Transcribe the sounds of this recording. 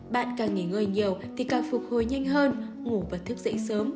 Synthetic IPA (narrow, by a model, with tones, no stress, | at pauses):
ɓa̰ː˧˨nkaː˨˩ŋŋi˧˩ŋɨː˨˩jɲi˨˩əwt̪ʰi˨˩kaː˨˩fu˨˩k̚ho˨˩jɲa˧jŋ̟ɦəː˧n | ŋu˧˩vaː˨˩t̪ʰɨ˦˥k̚zə̰˧˥jsəː˨˦m